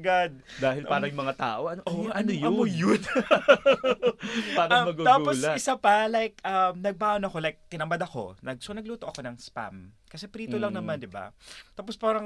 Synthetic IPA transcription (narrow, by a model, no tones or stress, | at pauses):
ɐɡad̪̚d̪aːhɪlpaːɾɐjʊmɐŋat̪a̰ːʔoʔɐnoʔoɐnojɐomojon | aːɾɐmɐɡut̪aːɡuposlɐɪsapɐlajk̚ʔɐmnɐɡ̚baːʔonɐko̞lajk̚t̪ɪnɐmbad̪ɐko̞̰nɐɡ̚sonɐɡ̚luːt̪oʔɐko̞nɐŋspa̰m | kɐsɛpɾiːt̪olɐŋnɐmand̪ɪba̰t̪aːpo̞spaːɾɐŋ